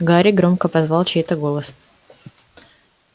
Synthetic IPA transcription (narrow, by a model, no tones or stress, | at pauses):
ɡaɾʲɪɡɾo̞mkəpɐzvɑlˠt͡ɕɛt̪əɡo̞lˠəs